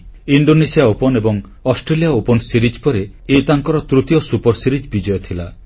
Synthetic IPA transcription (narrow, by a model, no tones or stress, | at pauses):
iɳɖonesijaopɔnebɔŋ | ɔsʈɾelijaopɔnsiɾid͡ʒpɔɾe | et̪aŋkɔɾɔt̪ɾut̪jɔsupɔɾsiɾid͡ʒbid͡ʒɔjɔt̪ʰila